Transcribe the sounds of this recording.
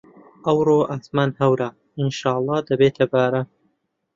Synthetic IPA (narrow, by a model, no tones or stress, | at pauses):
ʔɐwɾoːʔaːsmaːnhɐwɾa | ɪnʃaːlˠˤːɑːd̪ɐbeːt̪ʰɐbaːɾɐ